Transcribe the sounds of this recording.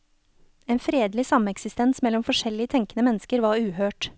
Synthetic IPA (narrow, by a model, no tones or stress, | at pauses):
eːnfɾeːd̪lɪsɑmɛksɪst̪ɛnsmɛlɔmfɔʃɛlːɪət̪ʰɛŋkənəmɛnəskəɾʋɑːɾʉːhøːʈ